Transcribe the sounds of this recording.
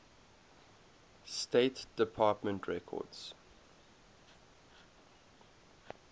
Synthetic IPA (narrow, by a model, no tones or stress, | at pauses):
steɪtd̥ɪpʰɑˑtmə̃ntʰɹɛkʰɔ̰dz̥